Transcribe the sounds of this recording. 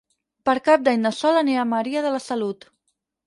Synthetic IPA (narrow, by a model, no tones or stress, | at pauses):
pəɾkap̚d̪aɲd̪əsɔləneaməɾiəðələsəlut̪